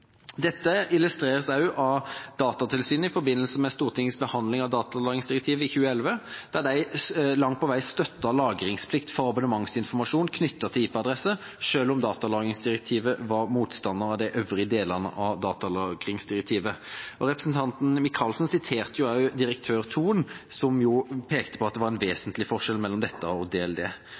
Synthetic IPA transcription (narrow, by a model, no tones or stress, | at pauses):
d̪ɛt̪ːəɪlʉst̪ɾeːʁəsɑʉʔɑd̪ɑːt̪ɑt̪ʰɪlsyːn̩ɪfɔɾbɪnːəlsəmɛst̪uːʁt̪ʰɪŋːəsbəhɑnd̪lɪŋɑʋd̪ɑːt̪ɑlɑːɡɪŋsd̪ɪʁɛk̚t̪ʰiːʋəɪçʉːəɛlʋəd̪̥æʁd̪æɪlɑŋt̪pʰɔʋæɪst̪œt̪ːɑlɑːɡɾɪŋspʰlɪkt̪fɔʁɑbʊnəmɑŋsɪnfɔʁmɑʂuːnkʰnʏt̪ːət̪ʰɪliːpəɑd̪ʁɛsə | ʂøːlɔmd̪ɑːt̪ɑlɑːɡɪŋsd̪ɪʁɛk̚t̪ʰiːʋəʋɑɾmuːt̪st̪ɑnːəʁɑʋd̪æɪʔøʋʁɪəd̪eːləʁnə̰ʔɑʋd̪ɑːt̪ɑlɑːɡʁɪŋsd̪ɪɾɛk̚t̪ʰiːʋəɔɾɛpɾəsn̩t̪ʰɑnt̪n̩mɪkʰɑːlsnsɪt̪ʰeːʁt̪əjʊɑʉd̪ɪɾək̚t̪ʰøːʁt̪ʰuːənsɔmjʊpʰeːkt̪ə̥pʰɔɑt̪d̪ɛʋɑʁɛnʋeːsənt̪lɪfɔʂɛlmɛlːɔmd̪ɛt̪ːəɔd̪eːɛld̪eː